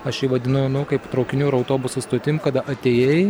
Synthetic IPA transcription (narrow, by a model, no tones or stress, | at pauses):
ɐʃiːʋɐd̪ʲɪnɐʊnʊkɐɪpt̪ɾɐʊkʲɪnʲuːɪɾɐʊt̪oːbʊsust̪oːt̪ʲɪmkɐd̪ɐʔɐt̪ʲeːjɛɪ